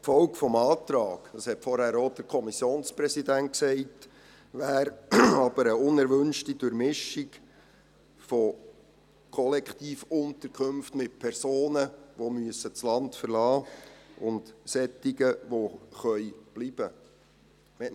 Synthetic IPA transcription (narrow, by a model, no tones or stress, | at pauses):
fɔwkfɔmɑːtɾɑːɡ̥dɑshɛtfɔɾhæːɾɔd̥əɾkʰɔmisjoːnspɾɛsidænt̚ksɛɪt | ʋæːɾɑb̥əɾəʊnɛɾʋʏnʃtid̥ʊɾmɪʃiɡ | fɔ | kʰɔlɛkχtiːfʊntəɾkχɵmftmɪt̚pʰɛɾsoːnəʋomyəsət͡slɑntfəɾlɑːʊntsɛtːiɡəʋoχœʏb̥lib̥ə | mɛ